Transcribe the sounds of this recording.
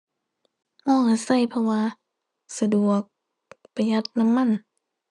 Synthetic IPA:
ʔɔː˧˩ka˧˩sa˧˩˨jpʰɔ˧waː˧ | sa˧du˨˩ək̚ | pa˧ja˧˦˩t̪̚na˧˥˨mːa˧˥˨n

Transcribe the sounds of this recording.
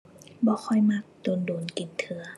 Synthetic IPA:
bɔː˧˦xʰɔ˧˩jma˧˥˩k̚t̪o˨˦ndoː˨˦nki˨˦nt̪ʰɯ˨˦ɐ

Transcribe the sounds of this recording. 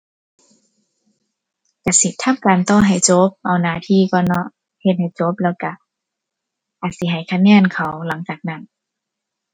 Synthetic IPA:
ka˧˩si˧˦t̪ʰːa˧˥˨mkaː˨nt̪ɔː˧˨ɦa˨˩jt͡ɕo˧˦˥p̚ʔa˨˩wnaː˧˩t̪ʰiː˧˥˨kɔː˧˩nɔ˧˥ʔ | he˧t̪̚ha˨˩jt͡ɕo˧˦˥p̚lɛː˧˥˩wka˧˩ | ʔaː˨˩t̪̚si˧˦ɦa˨˩jkʰa˧˩ŋɛː˧˨nkʰa˨˩wla˨˦ŋt͡ɕaː˨˩k̚na˧˥˨n

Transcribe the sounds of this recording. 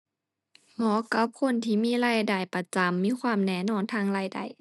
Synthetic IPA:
lɔː˧˦ka˧˥p̚kʰo˧˥˨nt̪ʰiː˧˨miː˧˥˨laː˧˨jda˨˩jpa˧˨t͡ɕa˨˦mːiː˧˥˨kʰwaː˧˥˨mnɛː˧˩˨nɔː˧˥˨nt̪ʰaː˧˥˨ŋlaː˧˥˩jda̰˨˩j

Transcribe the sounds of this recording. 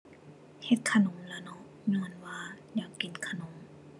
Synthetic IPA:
he˧˩t̪̚kʰa˧no˨˦mlɛː˧˩nɔ˧ʔ | nɯ˧ənwaː˧ | jaː˨˩kːi˨˦nkʰa˧no˨˦m

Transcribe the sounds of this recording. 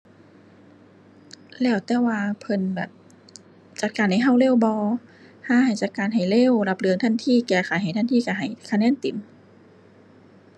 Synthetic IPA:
lɛː˧˩wt̪ɛː˧˩waː˧pʰɤ˧nbɛː˨˩p̚ | t͡ɕa˨˧˩t̪̚kaː˨nːa˧˩jɦa˧˩wle˧˥˩wbɔː˧ | haː˧˥˨ha˨˩jt͡ɕa˧˩t̪̚kaː˨˩nɦa˨˩jle˧˥˨wla˧˥p̚lɯ˧əŋt̪ʰa˧˥˨nt̪ʰiː˧˥˨kɛː˧˩xʰaː˨˦jha˨˩jt̪ʰa˧˥˨nt̪ʰiː˧˥˨ka˧˩ɦa˨˩jkʰa˧nɛː˧˥˨nt̪i˨˦m

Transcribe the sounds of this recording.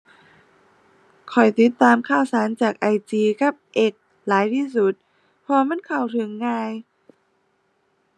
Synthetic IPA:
kʰɔ˨˩jt̪i˨˧˦t̪ːaː˧mkʰaː˧˩wsaː˩˦nt͡ɕaː˨˩k̚ʔa˧jt͡ɕiː˧ka˧˦p̚ʔe˧˩k̚ | laː˨˦jt̪ʰiː˧˩su˧˦˩t̪̚ | pʰɔː˧ma˧˥˨nkʰa˨˩wt̪ʰɯ˨˦ŋːaː˧j

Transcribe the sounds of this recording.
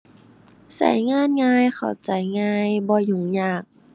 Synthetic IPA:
sa̰˨˩˦jŋaː˧˥˨nŋaː˧jxʰa̰˨˩wt͡ɕa˨˦jŋaː˧jbɔː˧ju˨˩ŋjaː˧˩k̚

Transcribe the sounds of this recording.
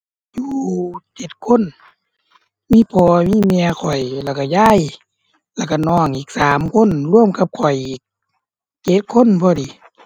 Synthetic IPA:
juː˧t͡ɕe˧˦t̪̚kʰo˧˥˨n | miː˧˥˨pʰɔː˧miː˧˥˨mɛ˧ə˧kʰɔ˨˩jlɛ˧˩˨ka˧˩ja˧˥˨j | lɛː˧˩ka˧˩nɔː˧˩ŋʔiː˨˩k̚saː˨˦mkʰo˧˥˨nlu˧˥˨əmka˧p̚kʰɔ˨˩jʔiː˨˦k̚ | t͡ɕe˧˦t̪̚kʰo˧˥˨npʰɔː˧diː˨˦

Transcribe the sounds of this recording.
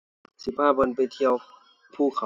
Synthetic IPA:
si˧˩pʰaː˥˩ba˧npa˧˨jt̪ʰi˧əw | pʰuː˧˥˩kʰa˨˧˦

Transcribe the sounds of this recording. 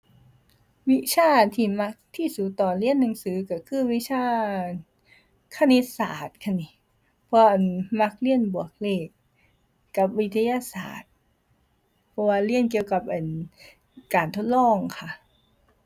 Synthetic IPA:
wi˦˥t͡ɕʰaː˥˩t̪ʰiː˧˩ma˦˥k̚t̪ʰiː˧˥˩suː˨˩t̪ɔː˨˩li˧˥˩ənːa˨˦ŋsɯː˨˦ka˧˩kʰɯː˧˥˩wi˦˥t͡ɕʰaː˧˥˩ | kʰa˧˥˨ni˦˥t̚sa̰ː˨˩t̪̚kʰa˧˩ni˧˦ | pʰɔ˧ʔa˧˩nma˧˥k̚li˧˥˩ənbu˨˩ək̚leː˧˩k̚ː | a˧˩p̚wi˦˥t̪ʰa˧ja˧sa̰ː˨˩t̪̚ | pʰɔ˧waː˧li˧˥˩ənki˧əwka˨˩p̚ʔaː˨˩n | kaː˨˩nt̪ʰo˦˥t̪̚lɔː˥˩ŋkʰa˧˩

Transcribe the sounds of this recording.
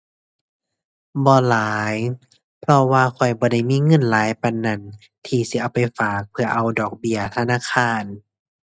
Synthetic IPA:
bɔː˧laː˨˦j | pʰlɔ˧waː˧kʰɔ˧˩jbɔː˧˦da˧˩jmiː˧˥˨ŋɤ˧˥˨nlaː˨˦jpa˧˨nːa˧˩n | t̪ʰiː˧si˧˦ʔa˧˩wpa˨jfaː˨˩k̚pʰɯ˧ɐʔa˧˩wdɔː˨˩k̚bi˧˩ɐt̪ʰa˧naː˧˥˨kʰaː˧˥˩n

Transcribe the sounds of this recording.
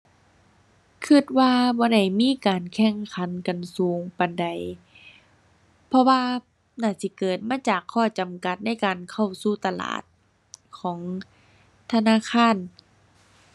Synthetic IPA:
kʰɯ˧˩t̪̚waː˧bɔː˧˦ɾa˧˩jmiː˧˥˨kaː˨nkʰɛ˧˥˩ŋkʰa˨˦nka˨nsuː˨˦ŋpa˨nda˨j | pʰɔ˧waː˧ | naː˧˩si˧˦kɤː˨˩t̪̚maː˧˥˨t͡ɕaː˨˩kʰːɔː˧˩t͡ɕa˨mka˧˦t̪̚na˧˥˩jkaː˨nkʰa˧˩wsuː˧˩t̪a˧la̰ː˨˩t̪̚ | kʰɔː˩˦ŋ | t̪ʰa˧naː˧˥˨kʰaː˧˥˨n

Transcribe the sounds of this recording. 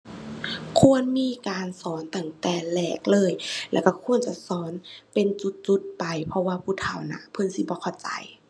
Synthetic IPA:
kʰu˧˨ənmiː˧˥˨kaː˨nsɔː˨˦nt̪a˧˩ŋt̪ɛː˧˩lɛː˧˩k̚lɤː˧˨jlɛ̰ː˧˩wka˧˩kʰu˧˥ənt͡ɕa˧˩sɔː˨˦npe˨nt͡ɕu˧˦t̪̚t͡ɕu˧˦t̪̚pa˨jpʰɔ˧waː˧pʰuː˧˩t̪ʰa˧˩wna̰˧˩pʰɤ˧˥˨nsi˧˦bɔː˧˦kʰa˧˩wt͡ɕa̰˨˩j

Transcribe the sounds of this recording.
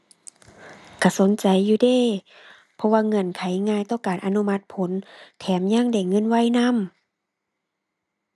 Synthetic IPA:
kʰa˧˩so˨˦nt͡ɕa˨jːuː˧deː˧˥˨ | pʰɔ˧waː˧˨ŋɤ˧˥˨nkʰa˨˦jŋaː˧˨jt̪ɔː˧˩˨kaː˨˩˨nʔa˧nu˧˥˨ma˧t̪̚pʰo˨˦nt̪ʰɛː˨˦mɲa˧˥˨ŋda˧˩jŋɤ˧˥˨nwa˧˥˨jna˧˥˨m

